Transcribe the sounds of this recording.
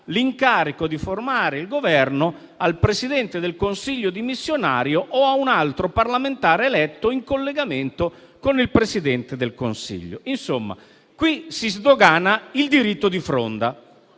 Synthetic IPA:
liŋkaːɾikod̪iformaːɾeilɡovɛrno | alpɾesid̪ɛnt̪ed̪elkonsiʎːod̪imisːjona̰ːɾjoʔoaunalt̪ɾoparlament̪aːɾelɛt̪ːoiŋkolːeɡament̪o | konilpɾesid̪ɛnt̪ed̪elkonsḭʎːo̰insomːa̰ | kwisizd̪oɡaːnaild̪iɾit̪ːod̪ifɾo̰nd̪a

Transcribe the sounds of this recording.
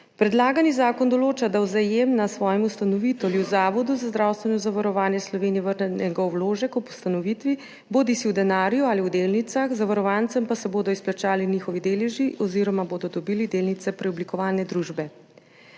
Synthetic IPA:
pɾɛd̪laːɡanizaːkɔnd̪ɔloːt͡ʃad̪awzajemnasʋɔːjɛmust̪anɔʋit̪ɔliwzaːʋɔd̪uzazd̪ɾaːwst̪ʋɛnɔzaʋaɾɔʋaːnjɛslɔʋeːniɛʋəɾnɛnɛɡaɔwloːʒɛkɔpu̥st̪anɔʋiːt̪ʋi | boːd̪isiwd̪ɛnaːɾjuaːliwd̪eːlnit̪saxzaʋaɾɔʋant̪sɛmpasɛboːd̪ɔisplat͡ʃaːlinixɔʋid̪eːlɛʒiʔɔziːɾɔmaboːd̪ɔd̪ɔbiːlid̪eːlnit̪sɛpɾɛɔblikɔʋaːlnɛd̪ɾuːʒbɛ

